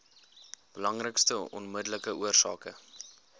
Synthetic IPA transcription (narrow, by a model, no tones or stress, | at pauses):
b̥əlɐŋrəkstəɔ̰nmədələkəʔuərsɑːkə